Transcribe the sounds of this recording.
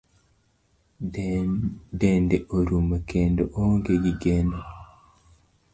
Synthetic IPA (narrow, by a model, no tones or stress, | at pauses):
dendeʔoɾumakendoʔoŋɡeɡiɡeno